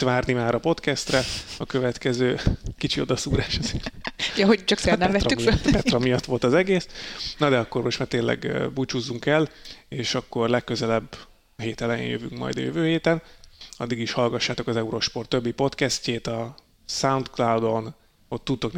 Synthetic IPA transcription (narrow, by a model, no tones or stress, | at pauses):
t̪vaːrnimaːɾɒpo̞t̪kɛst̪rɛɒkø̞vɛt̪kɛzøːkit͡ʃio̞d̪ɒsuːɾaːʃɒzeːrjɒɦot͡ʃɒksɛnɛvɛt̪rymibɛt̪rɒmijɒt̪ːʋo̞lt̪ɒzɛɡeːsnɒd̪ɛɒkːo̞rmo̞ʃt̪maːrt̪eːnlʔɛ̰ɡ̰but͡ʃuzːuŋkɛleːʃɒkːo̞rlɛkːø̞zɛlɛbː | ɦeːt̪ɛlɛjḛːjøvy̰ŋkmɒ̰jd̪ɒ̰jø̰vøːɦeːt̪ɛnɒ̰d̪ːiɡiʃhɒlɡɒʃːaːt̪o̞kɒzɛuɾo̞ʃpo̞rt̪ːøbːipo̞t̪kɛsceːt̪ɒ | saunt̪klawd̪o̞n | o̞t̪ːut̪ːo̞kn